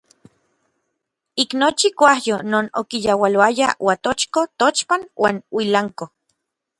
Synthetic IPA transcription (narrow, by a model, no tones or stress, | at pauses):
iknot͡ʃikʷahjonoːno̰kijawaloajawat̪ot͡ʃkot̪ot͡ʃpanwʔa̰ːnwilaŋko